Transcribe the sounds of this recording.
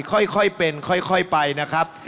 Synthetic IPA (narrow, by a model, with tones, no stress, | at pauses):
kʰɔ˥˩jkʰɔ˥˩jpe˧nkʰɔ˥˩jkʰɔ˥˩jpa˧jna˦˥kʰɾa˦˥p̚